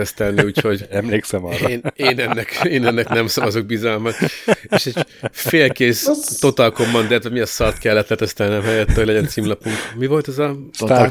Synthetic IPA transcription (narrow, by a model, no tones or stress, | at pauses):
ɛst̪ɛlniiuːcho̞ɟɛmleːksɛmɒreːneːnɛnːɛkeːnɛnːɛknɛmsɒvɒzoɡ̚bizɒlmɒt̪eːʃɛɟfeːlkeːst̪o̞t̪ɒlko̞mːɒnd̪ɛlːɛt̪ʋɛmiɛsɒrt̪kɛlːɛt̪lɛt̪ɛst̪ɛlniɛmɦɛjɛt̪ːɛoɟlɛɟɛnt̪siːmlɒpuŋkmivo̞lt̪ɛzɒ